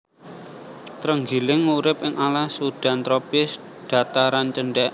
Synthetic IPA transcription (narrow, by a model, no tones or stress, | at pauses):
t̪ɾəŋɡilɪŋuɾɪpʔɪŋalahsuɖ̪̥a̤nt̪ɾopɪs | ɖ̪̥a̤t̪aɾant͡ʃəɳɖɛʔ